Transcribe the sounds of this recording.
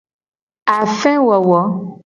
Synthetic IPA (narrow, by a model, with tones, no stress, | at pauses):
a˨fɛ̃˦wɔ˨wɔ˨˦